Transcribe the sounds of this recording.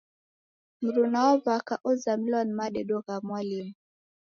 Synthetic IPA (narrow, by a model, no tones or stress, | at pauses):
m̩ɾunaɔvakaʔɔzamlɔnmaɗɛɗɔɣamwalim